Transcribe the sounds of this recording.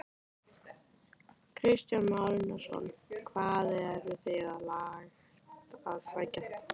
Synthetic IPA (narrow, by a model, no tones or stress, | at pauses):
kʰɾɪst̪janmalnasɔ̰nkʰvaːðɛɾvɪθɪɣaðlaːɣ | aðsaːjca